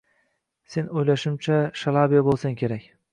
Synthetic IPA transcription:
se̞nojlaʃɪmt͡ʃʰaʃalˠabijabolˠsaŋkʲʰe̞ɾakʲ

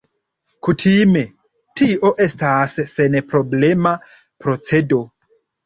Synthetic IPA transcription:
kutʰime̞ | tiʔo̞ʔe̞stasːe̞npɾo̞ble̞ma | pɾo̞t͡se̞do̞

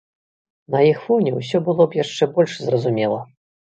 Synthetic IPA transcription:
nɐjixfɔnʲɛws̬ʲɔbɨlˠɔpjaʂt͡ʂɛbɔlʲʂzrɐzumʲɛlˠɐ

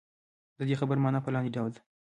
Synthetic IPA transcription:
d̪əd̪exabəɾmɑnəpəlɑnd̪eɖawld̪

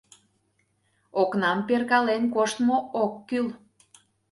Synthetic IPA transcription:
oknɑmperkɑlenkoʃt̪mookːyl

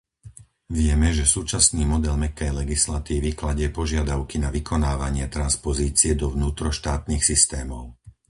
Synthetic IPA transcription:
ʋɪɛmɛʒɛsuːt͡ʃasniːmɔd̪ɛlmɛkɛjlɛɡislat̪iːʋiklaɟɪɛpɔʒɪad̪aʊkinaʋikʰɔnaːʋaɲɪɛt̪ɾanspɔziːt͡sɪɛd̪ɔʋnuːt̪ɾɔʃt̪aːt̪nixsist̪ɛːmɔʊ

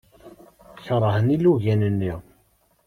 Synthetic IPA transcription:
çəɾˤəhəniluʝænənːiʁ

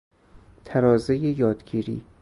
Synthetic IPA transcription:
t̪ʰæɾɒːzejejɒːd̪ɡiːɾḭː

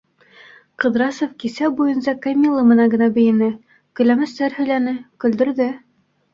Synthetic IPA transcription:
qɤ̆ðɾɑsofkisæbujɤ̆nsɑkamʲilˠːɤmɤ̆nɑŋɡɤ̆nɑbɘ̆jɘ̆nɘ | kɵ̆jlæmæ̆st̪æɾhɵ̆jlænɘkɵ̆ld̪ɵ̆ɾðɘ

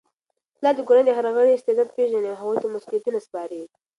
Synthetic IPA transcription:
lɑd̪əkoɾand̪əɦaɾaɣəɽeɪst̪ɪd̪ɑd̪̚peʒaneaɦaɣujt̪amʊsljat̪inaspɑɾi

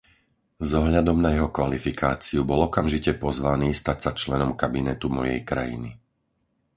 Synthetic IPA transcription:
zɔɦʎad̪ɔmnajɛɦɔkʋalifikaːt͡siubɔlɔkamʒicɛpɔzʋaniːst̪asat͡ʃlɛnɔmkabinɛt̪umɔjɛjkɾa̰jḭni

